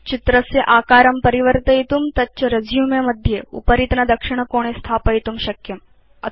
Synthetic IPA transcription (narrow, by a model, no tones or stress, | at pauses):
t͡ɕit̪ɾəseʔaːkaːɾɐmpɐɾiʋəɾt̪əjt̪uːmt̪ɐt͡ɕɐɾɐd͡zjumemɐd̪ʱjeṵpəɾit̪nɐd̪ɐkʂiɽ̃əkoɽ̃est̪ʰaːpəjt̪umɕɐkjɐm | ɐ